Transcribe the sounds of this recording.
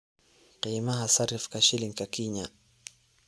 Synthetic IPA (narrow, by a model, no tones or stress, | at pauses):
qimaɦasaɾifkaʃiliŋkakiɲa